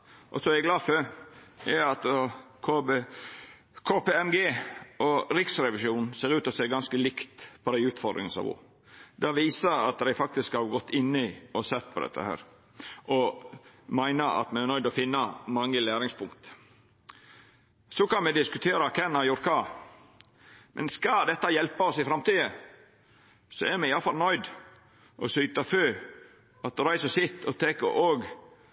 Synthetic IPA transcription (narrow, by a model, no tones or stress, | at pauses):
ʔɔ̰sɔmæɪɡlɑːd̪fœ | ɛɑt̪kʰo | kʰoːpeːɛmɡeːɔɾɪksɾɛʋɪʃuːnn̩seːɾʉːt̪ɔseːɡɑnskəlɪkt̪pʰɔd̪æɪʉːt̪fɔɾd̪ɾɪ̰ŋənsɑ̰ʋṵ | d̪ɛʋiːsəɑ̰t̪̚d̪æɪfɑk̚t̪ɪskhɑɾɡɔt̪ːɪnːəɪɔsɛt̪ːpʰɔd̪ɛ̰t̪ʰːə̰hæ̰ːɾ | ʔɔ | mæɪnəɑ̰t̪mɛnæɾnœʏd̪ɔfɪnːɑmɑŋːəlæːɾɪŋspʰʊŋkt̪ | sɔkɑnmɛd̪ɪskʉt̪ʰeːɾɑkʰɛnːɑjʊɾkʰɑ | mʔɛ̰nskɑd̪ɛt̪ːɑjɛlpɑɔsɪfɾɑmt̪iːə | sɔɛɾmɛɪɑlfɑlnœʏd̪ | ʔɔsyːt̪ɑføː | ɑt̪ɾæɪsɔsɪt̪ːɔt̪ʰeːkə̰ʔoːɡ